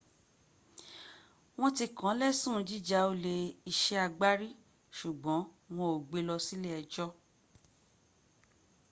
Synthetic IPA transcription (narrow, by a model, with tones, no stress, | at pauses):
w̃ɔ̃˦ti˧kã˨˦lɛ˦sũ˦˨˦d͡ʒi˦d͡ʒa˦o˧le˧i˧ʃɛ˦a˧ɡ͡ba˦ɾi˦ | ʃu˨ɡ͡bɔ̃˨˦ | w̃ɔ̃˧o˨ɡ͡be˧lɔ˧si˦lɛ˦ɛ˧˨d͡ʒɔ˦